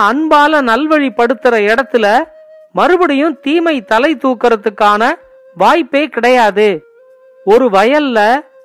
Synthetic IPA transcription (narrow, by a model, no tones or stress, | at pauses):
ɐɳbaːlɐnɐlʋɐɻipːɐɽɯt̪ːɯrɐɪɽɐt̪ːɪlɐ | mɐɾɯbɐɽɪjɯ̃mt̪iːmɐɪt̪ːɐlɐɪt̪ːuːkːɐɾɐt̪ːɯkːaːnɐ | ʋaːjpːeːkɪɽɐjaːðɯ | ɔɾɯʋɐjɐlːɐ